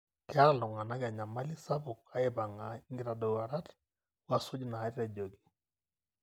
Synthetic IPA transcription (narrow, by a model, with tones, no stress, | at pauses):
kɛ˦a˦˨lɔ˨ŋa˨na˦ɡa˨ɲa˨ma˦li˦sa˦bʊ˨k̚a˦ɛ˦ba˨ŋa˨ŋɡi˨ɾa˨dɔ˨wa˨ɾa˦t | wa˦sʊ˦d͡ʒna˨a˦ɾɾa˨d͡ʒo˨ɡi̥˨